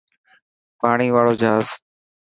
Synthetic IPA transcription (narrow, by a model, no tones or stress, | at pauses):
paːɳ̃iːʋaːɭoːd͡ʒʱaːz